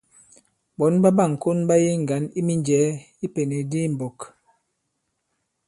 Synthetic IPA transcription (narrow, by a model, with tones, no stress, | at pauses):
bɔ˨˦nba˦ba˦˨ŋ̩˨ko˦nba˦je˦ŋ̩˨ɡa˨˦ni˦mi˦nd͡ʒɛː˨˦ | i˦pe˨ne˨di˦m̩˨bɔ˨k